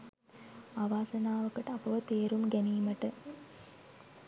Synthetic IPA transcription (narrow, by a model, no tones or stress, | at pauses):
aːʋaːsɐnaːʋɐkːɐʈːɐpɐʋɐt̪eːɾumɡenijmɐʈːɨ